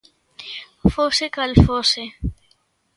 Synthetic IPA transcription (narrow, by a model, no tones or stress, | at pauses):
foːsekɐlfoːse